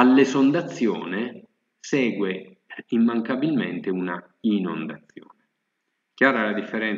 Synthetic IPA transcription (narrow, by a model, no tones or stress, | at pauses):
alːesond̪at̪sːjɔ̰ːne | sɛːɡwe | imːaŋkabilmḛnt̪euna | ino̰nd̪at̪sːjo̰ːne | kjaːɾalad̪ifːeɾɛn